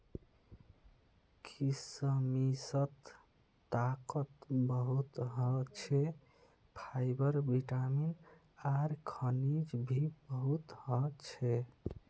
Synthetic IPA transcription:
kʰisəmisət̪ː | akət̪bəɦut̪ɦət͡ʃʰɛ | pʰajbəɾbiʈamin | aɾkʰənid͡ʒbʱibəɦut̪ɦət͡ʃʰɛ

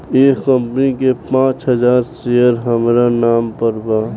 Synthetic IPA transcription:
eːkə̃mpənikepãːt͡ʃɦəd͡ʒaːɾsejəɾɦəmɾanaːmpəɾba

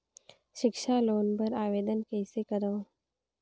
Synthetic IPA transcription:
ʃɪkʃaːloːnpəɾaːʋeːd̪ənkeːsekəɾə̃

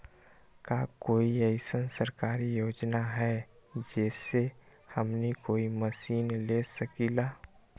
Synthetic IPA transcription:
kakoːiəɪsənsəɾkaːɾijoːd͡ʒnaɦɛd͡ʒɛːse | həmnikoːiməsiːnlesəkilaː

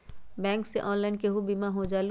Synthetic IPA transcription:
bɛ̃ːŋkseʔɔ̃ːnlaɪnkeɦubimaɦod͡ʒal

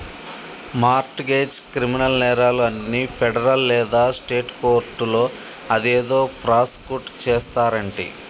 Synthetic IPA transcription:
maːɾʈɡeːd͡ʒkɾiminɐlnɛːɾaːluɐnːipʰɛɖɐɾɐllɛːd̪aːsʈeːʈko̞ːɾʈulo̞ːɐd̪eːd̪o̞ːpɾaːskuʈt͡ʃeːst̪aːɾɐɳʈḭ

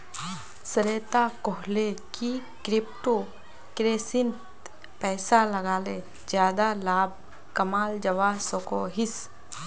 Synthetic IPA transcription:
səɾeːt̪akɔɦlekikɾɪpʈo | kɾeːsɪnt̪ | pɛːsaləɡaːle | d͡ʒjaːd̪alaːb̚ | kɐmaːld͡ʒəʋaːsokoɦɪs

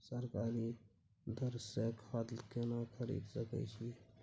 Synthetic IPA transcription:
səɾkaːɾi | d̪əɾsekʰaːd̪lkenakʰəɾḭd̪səkə̰t͡ʃʰi

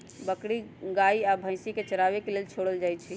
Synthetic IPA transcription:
bəkɽiɡaiabʱə̃ɪ̃siket͡ʃəɾabekelelt͡ʃʰoɽəld͡ʒaj̪t͡ʃʰi

